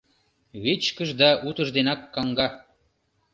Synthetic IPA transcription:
βet͡ɕkəʒd̪ɑʔut̪ə̆ʒd̪enɑkːɑŋɡɑ

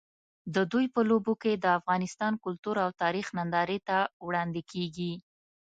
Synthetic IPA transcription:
d̪əd̪ujpəloboked̪əafɣɑnɪst̪ɑnkʊlt̪uɾawt̪ɑɾixnand̪ɑɾet̪awɽɑnd̪ɪkʰeɡi

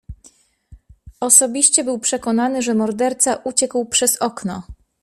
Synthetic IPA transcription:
ɔsɔbʲiɕt͡ɕɛbɘwpʂɛkɔnanɘʐɛmɔɾd̪ɛɾt̪saʔut͡ɕɛkwpʂɛzɔknɔ

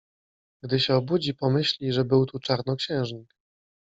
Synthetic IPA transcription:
ɡd̪ɘɕɛɔbud͡ʑipɔmɘɕlʲiʐɛbɘwt̪ut͡ʂaɾnɔkɕɛ̃w̃ʐɲik̚

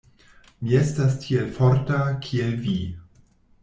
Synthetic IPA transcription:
mie̞stastʰielfoɾtakʰielvi

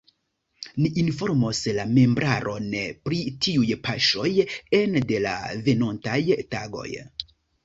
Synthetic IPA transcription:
niʔinfo̞ɾmoslame̞mbɾʔaɾʔo̞npɾitiujpaʃo̞je̞nde̞la̰ve̞no̞ntajtaɡo̞̰j

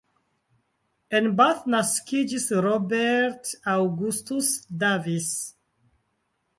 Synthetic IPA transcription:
ɛ̃nbaθnaskid͡ʒisɹɔbɛɾtawɡustusdavis

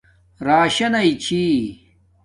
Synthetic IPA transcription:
ɾaːɕɐnɐit͡ɕʰiː

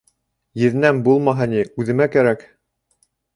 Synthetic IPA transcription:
jɘ̆ðɘ̆næmbulˠmɑɦɤniʉðɘ̆mækæɾæk

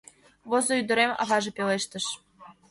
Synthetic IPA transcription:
vozɤ̆yd̪ɤ̆ɾemɑ̰vɑʐɤ̆pʲeleʃt̪ɤ̆ʃ

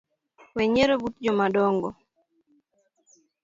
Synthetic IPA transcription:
wɛɲeɾobut̚d͡ʒɔmadɔŋɡɔ̰

